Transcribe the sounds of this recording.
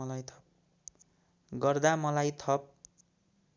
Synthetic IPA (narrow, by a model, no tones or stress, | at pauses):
ʌlajt̪ʰʌp̚ | ɡʌrd̪amʌlajt̪ʰʌp̚